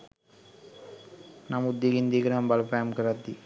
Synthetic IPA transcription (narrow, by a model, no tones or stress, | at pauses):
namud̪ːiɡind̪iɡɾambɐlpajɐmkəɾad̪ːi